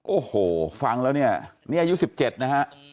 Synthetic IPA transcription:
ʔoː˨˩hoː˨˩fa˧ŋlɛː˦˥wni˥˩ɐniː˦˥˩ʔa˧ju˦˥si˨˩p̚t͡ɕe˨˩t̪̚na˦˥hʰa˦˥ʔ

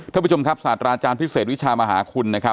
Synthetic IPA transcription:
t̪ʰa˧˩pʰːt͡ɕo˧ŋkʰa˦˥p̚saː˨˩t̪ɾaː˧t͡ɕaː˧npʰi˦˥seː˨˩t̪̚wi˦˥t͡ɕʰaː˧maː˧ɦaː˩˦kʰu˧nːa˦˥kʰa˦˥p

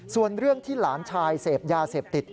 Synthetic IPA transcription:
su˨˩ənɾɯ˥˩əŋt̪ʰiː˥˩laː˩˦nt͡ɕʰaː˧jseː˨˩p̚jaː˧seː˨˩p̚t̪i˨˩t̪̚

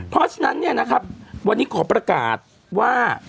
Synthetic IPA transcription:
pʰɔ˦˥t͡ɕʰa˧na˦˥nːi˥˩ɐna˦˥kʰa˦˥p̚wa˧nːiː˦˥kʰɔː˩˦pɾa˧ka̰ː˨˩t̪̚ | waː˥˩

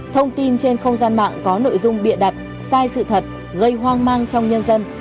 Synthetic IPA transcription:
t̪ʰə˧wŋ͡mt̪i˧nt͡ɕe˧nxə˧wŋ͡mzaː˧nma̰ː˧˨ŋkɔ˨˦no̰˧˨jzʊ˧ŋ͡mɓḭ˧˨ənɗa˨˩t̚ | saː˧jsɨ̰˧˨t̪ʰə˨˩t̚ | ɣə˧jɦwaː˧ŋmaː˧ŋt͡ɕɔ˧wŋ͡mɲə˧nzə˧n

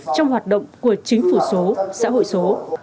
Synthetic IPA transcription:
t͡ɕɔ˧wŋ͡mɦwaː˨˩t̚ɗə̰˧˨wŋ͡mku˧˩ət͡ɕï˨˦ŋ̟fu˧˩so˨˦sa̰ː˧˥ɦo̰˧˨jso˨˦

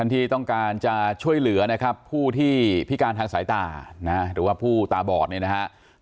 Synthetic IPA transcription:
tʰa˥˩nt̪ʰiː˥˩t̪ɔ˥˩ŋkaː˧nt͡ɕa˨˩t͡ɕʰu˥˩əjlɯ˩˦ɐna˦˥kʰa˦˥pʰːuː˥˩t̪ʰiː˥˩pʰi˦˥kaː˧nt̪ʰaː˧ŋsaː˩˦jt̪aː˨˩na˦˥ɾɯː˩˦waː˥˩pʰuː˥˩t̪aː˨˩bɔː˨˩t̪̚ni˥˩na˦˥kʰa˦˥ʔ

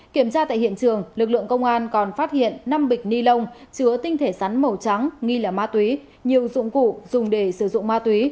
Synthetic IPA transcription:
ki˧˩əmt͡ɕaː˧t̪a̰ː˧˨jɦḭ˧˨ənt͡ɕɨ˨˩əŋlɨ˨˩k̚lɨ̰˧˨əŋkə˧wŋ͡mʔaː˧nkɔ˨˩nfaː˦˥t̚hḭ˧˨ənːa˧mɓï˨˩k̟̚ni˧lə˧wŋ͡mt͡ɕɨ˨˦ət̪ï˧ŋ̟t̪ʰe˧˩sa˨˦nmə˨˩wt͡ɕa˨˦ŋŋi˧laː˨˩maː˧t̪wi˨˦ | ɲi˨˩əwzʊ̰˧˥ŋ͡mkṵ˧˨z̥ʊ˨˩ŋ͡mɗe˧˩sɨ˧˩zʊ̰˧˨ŋ͡mmaː˧t̪wi˨˦

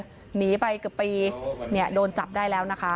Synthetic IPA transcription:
niː˩˦˥pa˧jkɯ˨˩pːiː˧ni˥˩ɐdoː˧nt͡ɕa˨˩p̚daː˥˩jlɛː˦˥wna˦˥kʰa˦˥

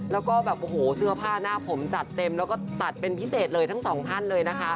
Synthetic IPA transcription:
lɛː˦˥wkɔː˥˩bɛː˨˩pʔo˨˩hoː˩˦sɯ˥˩ɐpʰaː˥˩naː˥˩pʰo˩˦mt͡ɕa˨˩t̪ːe˧mlɛː˦˥wkɔː˥˩t̪a˨˩t̪̚pe˧npʰi˦˥seː˨˩t̪̚lɤː˧jt̪ʰa˦˥ŋsɔː˩˦ŋt̪ʰa˥˩nlɤː˧jna˦˥kʰa˦˥ʔ

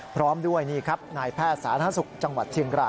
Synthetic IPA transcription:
pʰɾɔː˦˥mdu˥˩əjniː˥˩kʰa˦˥p̚naː˧jpʰɛː˥˩t̪̚sa̰ː˩˦t̪ʰaː˧˥su˨˩k̚t͡ɕa˧ŋwa˨˩t̪̚ʰːi˧əŋɾaː˧˩j

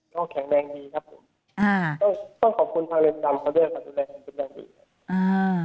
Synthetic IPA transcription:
t̪ɔ˥˩ŋkʰɛ˨˩˦ŋnɛː˧ŋdiː˧kʰa˦˥p̚ʰːo˨˩˦m | ʔaː˧˩t̪ɔ˥˩ŋt̪ɔ˥˩ŋkʰɔː˨˩p̚kʰu˧nt̪ʰaː˧ŋle˧nt͡ɕa˧mkʰa˧˩˦du˥˩əjka˧˩duː˧lɛː˧kʰa˨˦pe˧nːdaː˧ŋdḭː˧ka˧˩˦ | ʔaː˧˩

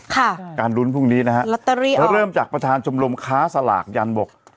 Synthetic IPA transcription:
kʰa˥˩kaː˧nlu˦˥npʰu˥˩ŋniː˦˥na˦˥kʰa˦˥la˦˥t̪ːa˧ɾiː˦˥ʔɾɤː˥˩mt͡ɕaː˨˩k̚pɾa˧t̪ʰaː˧nt͡ɕʰo˧mlo˧mkʰaː˦˥sa˧la̰ː˨˩k̚ja˧nbo˨˩k̚

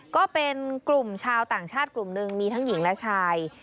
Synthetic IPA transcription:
kɔː˥˩pe˧nklu˨˩mt͡ɕʰaː˧wt̪aː˨˩ŋt͡ɕʰaː˥˩t̪̚klu˨˩mnɯ˨˧ŋmiː˧t̪ʰa˦˥ŋji˩˦ŋlɛ˦˥t͡ɕʰaː˧j

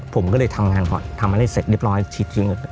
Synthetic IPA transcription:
pʰo˩˦mkɔː˥˩lɤː˧jt̪ʰa˧mŋaː˧nkɔ̰ː˨˩nt̪ʰa˧mːa˧˩a˥˩jse˨˩t̪̚ɾi˧˥˩əp̚ɾɔː˦˥jt͡ɕʰiː˨˩t̪̚t͡ɕi˧˦ŋʔiː˨˩k̚ː

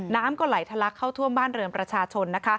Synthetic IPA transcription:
naː˦˥mkɔː˥˩la˩˦jt̪ʰa˧la˦˥kʰːa˥˩wt̪ʰu˥˩mbaː˥˩nɾɤː˧mpɾa˧t͡ɕʰaː˧t͡ɕʰo˧nːa˦˥kʰa˦˥

